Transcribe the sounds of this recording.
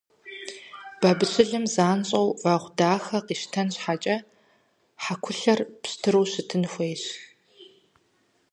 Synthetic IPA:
b̥ɐbɨɕɨɮɨmzaːnɕʼɐwvaːʁʷdaːxɐqiːʃtʰɐnɕħat͡ʃʼɐ | ħakʷʰʊɬɐrpstʰɨɾuwɕɨtʰɨnxʷejɕ

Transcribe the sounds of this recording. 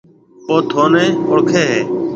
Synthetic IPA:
oːt̪ʰoːnẽːʊɽkʰeːɦeː

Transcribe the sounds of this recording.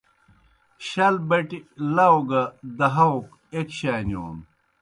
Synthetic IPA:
ɕɐlbɐʈilɐwɡɐd̪ɐɦɐwk | ekɕaːnjo̰ːn

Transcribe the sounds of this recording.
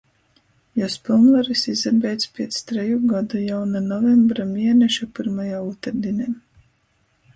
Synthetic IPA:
jaspilˠnvaɾisizɛɾbʲɛjt̪spʲiɛt̪st̪ɾɛjuɡad̪ujawnanɔvɛmbɾamʲiɛnɛʃapiɾmajaːuːt̪ɛɾd̪inʲɛː

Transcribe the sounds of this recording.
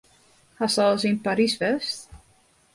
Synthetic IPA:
hasɔləs̬inpaɾisfɛst

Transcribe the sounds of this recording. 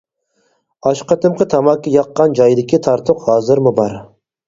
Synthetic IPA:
ɑʃqɑt̪ʰɨmqʰət̪ʰɑmɑkʲːɑjɑqːɑnd͡ʒɑjd̪ɪkʲʰit̪ʰɑɾt̪ʰʊqhɑːzɨɾmubɑɾ

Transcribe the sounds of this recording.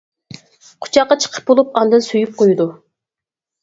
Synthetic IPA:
qʰʊ̥t͡ʃʰɑqːɑt͡ʃʰə̥qʰə̥p̚bolˠupɑnd̪ɨnsyjyp̚qʰojud̪u

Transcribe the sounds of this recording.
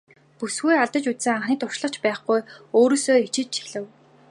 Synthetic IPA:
pusɡujaɮt̪ə̆t͡ɕut͡s̪sɘ̆ŋaɴχniːt̪ʊʃɮə̆χt͡ɕpæːχɡujoːɾoːsoːit͡ɕɪ̆t͡ɕt͡ɕi̥ɮɘ̆w

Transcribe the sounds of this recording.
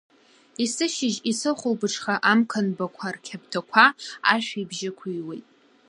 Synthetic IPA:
isɨʃɪʒisɨχʷʊlbɨʈ͡ʂʰχaʔamkʰanbakʷʰarkʲʰabtʰakʷʰaaʃᶣibʒɪkʷʰujwejtʼ

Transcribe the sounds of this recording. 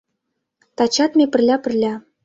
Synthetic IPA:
t̪ɑt͡ɕɑt̪mʲepɘ̆rlʲæpɘ̆rlʲæ

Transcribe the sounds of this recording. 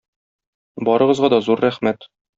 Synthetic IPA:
bɒɾɤ̆ʁɤ̆zʁɑd̪ɒzuɾːæχmæt̪

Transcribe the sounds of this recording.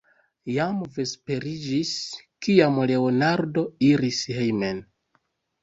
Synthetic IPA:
jamvespe̞ɾid͡ʒiskiamle̞onaɾdo̞iɾishejmen

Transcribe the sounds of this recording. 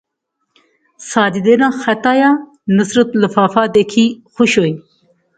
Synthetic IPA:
saːd̪id̪enãːxɐt̪aːjaː | nəsɾɐt̪ləfaːfaːd̪ekʰiːxuɕoːji

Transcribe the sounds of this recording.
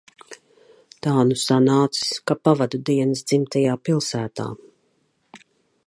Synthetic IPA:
t̪awnusanaːt̪si̥skapavad̪ud̪iɛnsd̪zimt̪ɛjaːpilˠsæːt̪a̰ː

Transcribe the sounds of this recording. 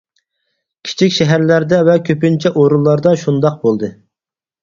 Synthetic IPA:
kʲʰi̥t͡ʃʰikʲʃɛɦæɾlæɾd̪ɛvɛkʲʰøpynt͡ʃʰɛʔoɾulˠːɑɾd̪ɑʃund̪ɑq̚bolˠd̪ɨ

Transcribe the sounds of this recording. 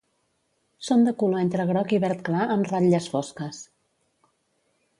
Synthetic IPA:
sond̪əkuloent̪ɾəɣɾɔkiβɛɾt̪klaʔəmraʎəsfɔskəs

